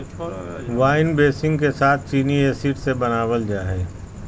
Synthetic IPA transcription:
ʋaːɪnbeːsɪ̃ŋɡkesaːt̪̚ʰt͡ʃiːnieːsiːʈsebɐnaːwəld͡ʒaːɦɛː

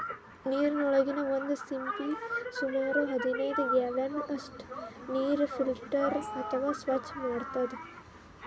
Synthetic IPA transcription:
niːɾinɔɭɐɡinɐond̪usimpisumaːɾuɦɐd̪inɐjd̪ueʋɐnɐsʈniːɾfilʈɐɾɐt̪ʰɐʋaːsʋɐt͡ʃːmaːɽt̪ɐd̪e

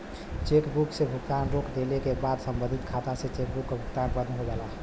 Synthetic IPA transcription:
t͡ʃekbuksebʱuk̚t̪anɾokd̪elekebad̪səmbə̃nd̪ʱit̪kʰat̪aset͡ʃek̚bukːebʱukt̪anpəd̪nɦoɡɛla

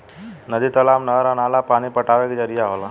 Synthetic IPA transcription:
nɐd̪it̪ɐlaːmnɐɾanaːlapaːnipɐʈaːʋeked͡ʒɐɾijaːʋɐla

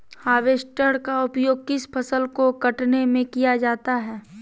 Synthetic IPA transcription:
haːʋeːsʈəɽkaʊpjoːɡ̚kɪspʰɐsəlkokɐʈnemẽkijad͡ʒaːt̪aɦɛː

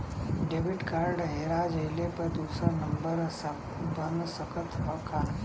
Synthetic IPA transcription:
ɖeːʋɪʈkaːɾɖɦeːɾad͡ʒɐjlepɐɾd̪uːsəɾnəmbəɾs | bənd̪səkət̪ʰɦəkʰaː

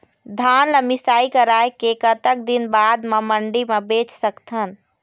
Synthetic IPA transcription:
d̪ʱanləmisaːikəɾaekekət̪ək̚d̪inbad̪meməɳɖimebet͡ʃsəkt̪ʰən

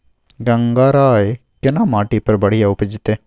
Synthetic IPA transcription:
ɡɐŋɡaːɾaːekɪnamaːʈipɐɾbɐɽ̤ijaʊpəd͡ʒɪt̪eː

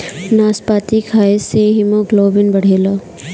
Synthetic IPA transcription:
naːspaːt̪ikʰaːeseɦɪmõɡloːbɪnbəɽ̤eːla

